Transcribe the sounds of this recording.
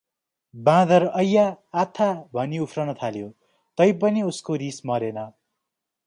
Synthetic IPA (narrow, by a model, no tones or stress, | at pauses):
bãd̪ʌɾʌjːaːt̪ʰːabʱʌniupʰrʌnʌt̪ʰaljo | t̪ʌjpʌniuskoɾismʌɾenʌ